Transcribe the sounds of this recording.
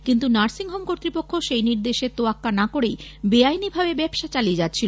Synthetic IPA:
kint̪unaɾsiŋɦomkoɾt̪ːɾipokʰːoʃejniɾd̪eʃet̪oakːanakoɾejbeajnibʱabebɛbʃat͡ɕalied͡ʑatːʰilo

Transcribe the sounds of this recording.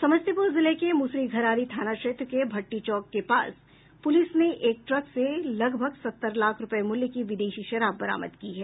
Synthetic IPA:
sɐməst̪ipoːzɪlekemusɾiɡʱɐɾaːɾit̪ʰaːnaʃeːt̪ɾkebʱɐʈːit͡ʃɔːkːepa̰ːs | pʊlɪsneʔeːk̚ʈɾɐkselɐɡbʱəɡsɐt̪ːəɾlaːkʰɾʊpəemʊljkiʋɪd̪eːʃiʃɐɾaːbːɐɾa̰ːmə̰d̪kiɦɛː

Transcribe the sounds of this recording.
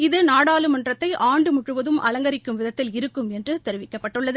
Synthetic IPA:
ɪðɯnaːɽaːlɯmɐndrɐt̪ːɐɪʔaːɳɖɯmʊʈrɯʋɐðɯmʔɐ̰lɐŋɡɐɾɪkːɯmʋɪðɐt̪ːɪlɪɾɯkːɯmɛndrɯt̪ɛɾɯʋɪkːɐpːɐʈːɯɭːɐðɯ

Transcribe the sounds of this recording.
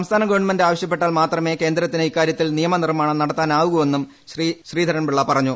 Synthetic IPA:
ɐmst̪ʰaːnɐɡɐʋɐrɳmɐndeaːʋɐɕjɐpːe̞ʈːaːlmaːt̪rɐme̞ːkeːnd̪ɾɐt̪ːineikːaːɾjɐt̪ːilnijɐmɐnirmaːɳɐnɐɽɐt̪ːaːnaːʋuɣɐʋe̞nːum | ɕriɕriːd̪ʱɐɾɐnbiɭːɐpɐrɐɲːu

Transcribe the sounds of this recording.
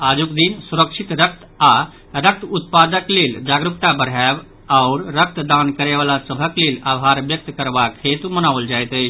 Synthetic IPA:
aːd͡ʒukd̪insuɾəkʃʰit̪ɾək̚t̪ | a | ɾək̚t̪ʰʊt̪̚pad̪əkleːld͡ʒaɡɾukt̪abəɾɦab | aʊɾɾək̚t̪d̪ãnkəɾeʋalasəbʱəkleːlaːʋɦaɾʋjək̚t̪kəɾʋakʰet̪umənaːʋəld͡ʒajt̪ə

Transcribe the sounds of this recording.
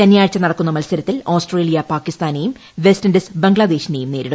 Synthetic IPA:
ɐnjaːɻt͡ɕːɐnɐɽɐkːunːɐmɐlsɐɾɐt̪ːiloːsʈre̞ːlijɐpaːkːist̪aːnejum | ʋestɐndesbɐŋɡɭɐd̪e̞ːɕindejumne̞ːɾiɽu

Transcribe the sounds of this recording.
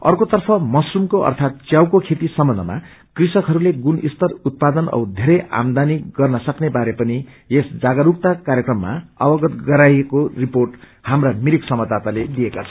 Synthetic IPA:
ʌ̰rkot̪ʌrpʰʌmʌsrumkoʔʌ̰rt̪ʰat̪̚t͡sjawkokʰet̪isʌmbʌndʱʌ̰ma̰ | krisʌkɦʌɾuleɡunist̪ʌrut̪̚pad̪ʌnʌ̰wd̪ʱeɾʌjʔa̰md̪aniɡʌrnʌsʌknebaɾepʌni | esd͡zaɡʌɾuk̚t̪akaɾjekrʌmːa̰ʌbʌɡʌt̪ɡʌɾajekoriporʈ | hamramiɾiksʌmʌd̪at̪aled̪ijekat͡sʰʌ̥

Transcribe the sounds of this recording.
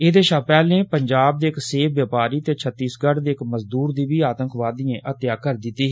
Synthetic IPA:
eːd̪eːʃapɛːlẽːpəɲd͡ʒaːb̚d̪eːɪkseːpʰʋjəːpaːɾiːt̪eːt͡ʃʰət̪ːiːsɡəɽd̪eːɪkməzd̪uːɾd̪iːbiːaːt̪ə̃ŋkʋaːd̪ɪjẽːʔət̪jaːkəɾd̪ɪt̪ːiːɦ

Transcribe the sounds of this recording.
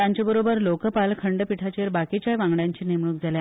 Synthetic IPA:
jaɲt͡ɕabəɾobəɾlokəpalkʰəɳɖəpiʈʰat͡ɕeɾbakit͡ɕjaʋãŋɡɽjaɲt͡ɕiːnimɽuk̚d͡zʱalja

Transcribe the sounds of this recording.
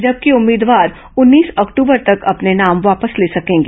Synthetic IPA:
d͡ʒɐb̚kiʊmːiːd̪ʋaːɾ | ʊnːiːsɔːkʈuːbəɾt̪ɐkɐpnenaːmʋaːpəsleːsɐkẽːŋɡe

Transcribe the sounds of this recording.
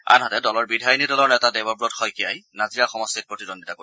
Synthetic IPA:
a̰nɦɔtɛdɔlɔɹbidʱajnidɔlɔɹnɛtadɛbɔbɹɔtxɔjkijajnaziɹaxɔmɔstit̚pɹotidonditako

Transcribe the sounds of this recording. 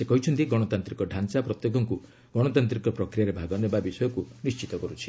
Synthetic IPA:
sekɔɦit͡ʃʰɔnt̪iɡɔɽ̃ɔt̪ant̪ɾikɔɖʱansapɾɔt̪jekɔŋku | ɡ̥ɔɽ̃ɔt̪ant̪ɾikɔpɾɔkɾijaɾebʱaɡɔnebabisɔjɔkunist͡ʃit̪ɔkɔɾut͡ʃʰi̥

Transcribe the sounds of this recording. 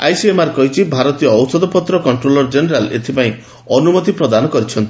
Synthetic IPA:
a̰jsiemaɾkɔɦit͡ʃʰibʱaɾɔt̪ijɔːwsɔd̪ɔpɔt̪ɾɔkɔɳʈɾolɔɾd͡ʒeneɾalḛt̪ʰipaĩ | ɔnumɔt̪ipɾɔd̪anɔkɔɾit͡ʃʰɔnt̪i̥

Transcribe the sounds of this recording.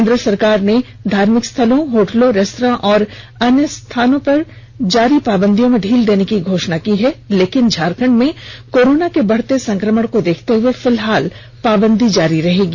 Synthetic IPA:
ẽnd̪ɾəsɐɾkaːɾned̪ʱaːɾmɪkst̪ʰɐlõɦoːʈlõɾɐst̪ɾãʔɔːɾ | ɐnjəst̪ʰaːnõpɐɾ | d͡ʒaːɾipaːbə̃nd̪ijõmẽɖʱiːld̪eːnekiɡʱoːʃnakiɦɛleːkɪnd͡ʒʱaːɾkə̃ɳɖmẽkoːɾoːnakebɐɽ̤t̪esɐ̃ŋkɾəməɽkod̪eːkʰt̪eɦʊefɪlɦaːl | paːbə̃nd̪ʱid͡ʒaːɾiɾɐɦeːɡiː

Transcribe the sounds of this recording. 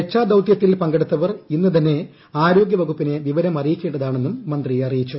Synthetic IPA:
et͡ɕːaːd̪ɐwt̪jɐt̪ːilpɐŋɡeɽut̪ːɐʋɐrinːɨt̪ɐnːe̞ | aːɾo̞ːɡjɐʋɐɡupːine̞ʋiʋɐɾɐmɐrijikʲːe̞ːɳɖɐðaːɳenːumːɐnd̪rijeɐrijit͡ɕːu

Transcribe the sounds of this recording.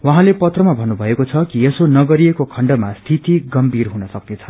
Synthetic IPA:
waɦãlepʌt̪rʌmabʱʌnːubʱʌekot͡sʰʌkiesonʌɡʌɾiekokʰʌɳɖʌmast̪ʰit̪iɡʌmbirɦunʌsʌknet͡sʰʌ̥

